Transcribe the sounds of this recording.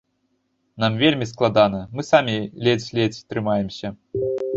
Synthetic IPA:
namvʲelʲmʲisklˠad̪anɐmɨsamʲilʲet͡sʲlʲet͡sʲt̪ɾɨmajɛmsʲɐ

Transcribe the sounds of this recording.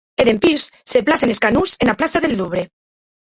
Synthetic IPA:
eðempiɾsseplaseneskanusenaplasaðelːuβɾe

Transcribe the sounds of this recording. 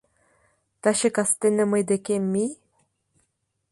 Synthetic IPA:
t̪aɕekast̪enəməjd̪ekemːi

